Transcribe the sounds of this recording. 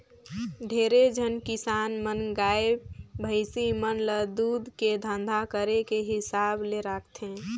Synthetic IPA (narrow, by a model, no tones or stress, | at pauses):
ɖʱeːɾed͡ʒʱənkɪsaːnmənɡaːebbʱəɪsimənləd̪ud̪ked̪ʱə̃nd̪ʱakəɾekeɦɪsaːbleɾakʰt̪ʰẽ